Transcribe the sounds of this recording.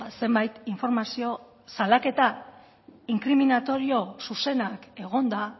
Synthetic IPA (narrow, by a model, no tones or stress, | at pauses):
se̞mbajt̪iɱfo̞ɾmasio̞ | salake̞t̪a | iŋkɾiminat̪o̞ɾio̞suse̞nake̞ɣ̞o̞nd̪a